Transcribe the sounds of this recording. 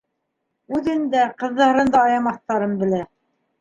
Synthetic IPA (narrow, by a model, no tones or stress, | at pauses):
ʉðɘ̆nd̪æqɤ̆ðːɑ̆hɤ̆ɾɤ̆nd̪ɑːjɑmɑθt̪ɑɾɤnbɘ̆læ